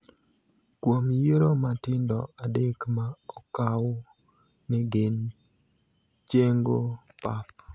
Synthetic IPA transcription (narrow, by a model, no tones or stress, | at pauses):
kwomjeɾomatɪndɔadekmaɔkaw | nɛɡen | t͡ʃeŋɡo | pap̚